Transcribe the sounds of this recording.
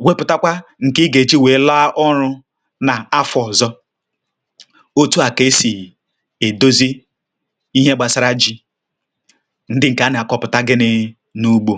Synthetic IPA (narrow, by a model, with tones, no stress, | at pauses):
we˦pʊ˨ta˦kʷa˦ŋ̩˨kɪ˦ɡe˨t͡ʃi˦weː˨˦la˦a˦ʔɔ˦ɾʊ˦ | na˨a˦fɔ˨zɔ˦ | o˦tu˦a˨ke˦si˨ | e˨do˦zi˦ | i˦ɦe˦ɡ͡ba˨sa˨ɾa˦d͡ʒi˦ | n̩˦dɪ˦ŋ̩˨ka˨˦nɪ˨a˨kɔ˦pʊ˨ta˦ɡɪ˦nɪ˦ | nu˦ɡ͡bo˨